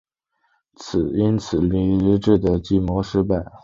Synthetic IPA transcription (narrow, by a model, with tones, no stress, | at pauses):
t͡sʰɹ̩˨˩i˥nt͡sʰɹ̩˨˩li˧˥i˧˥ʈ͡ʂɻ̩˥˩d̪ə˩t͡ɕi˧˥˩mɔ˧˥ʂɻ̩˧˥pa˥˩ɪ